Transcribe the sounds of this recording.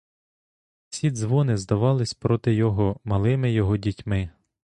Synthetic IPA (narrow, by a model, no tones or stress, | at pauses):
sʲid̪zʋɔnɪzd̪ɐʋɑlˠɪsʲpɾɔt̪ɪjɔɦɔmɐlˠɪmɪjɔɦɔdʲitʲmɪ